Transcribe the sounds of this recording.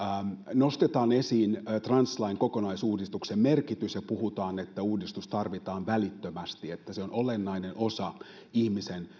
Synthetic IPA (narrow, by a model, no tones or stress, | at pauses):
nost̪et̪ɑːnesiːnt̪rɑnslɑiŋkokonɑisuːdist̪uksemmerkit̪ysjɑpuhut̪ɑːnet̪ːæuːdist̪ust̪ɑrʋit̪ɑːnʋælit̪ːømæst̪iet̪ːæseonolenːɑinenʔosɑ | ihmisen